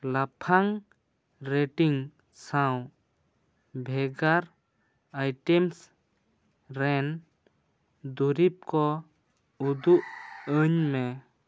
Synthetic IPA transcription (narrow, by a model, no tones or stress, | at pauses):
lapʰaŋ | ɾeʈiŋ | saw | bʱɛɡaɾ | ajʈɛms | ɾɛn | d̪uɾip̚kɔ | ud̪uʔəɲmɛ